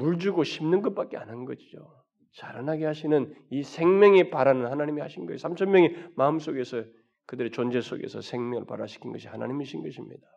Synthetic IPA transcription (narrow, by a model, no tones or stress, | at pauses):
muɭd͡ʑuɡoɕʰimnɯnɡʌt̚p͈ak͈̚e̞a̰nɦannɡʌɕid͡ʑo̰ | t͡ɕaɾanaɡe̞haɕʰinɯnisʰe̞ŋmjʌŋepaɾanɯnhanaɲimihaɕʰinɡʌesʰamt͡ɕʰʌnmjʌŋemaɯms͈oɡe̞sʰʌ | kɯdɯɾet͡ɕond͡ʑe̞s͈ʰo̰ɡe̞̰sʰʌ̰sʰe̞ŋmjʌŋɯ̰ɭpa̰ɾaɕʰi̥kʰinɡʌɕ̬ʰihana̰ɲimiɕʰinɡʌɕʰimɲḭda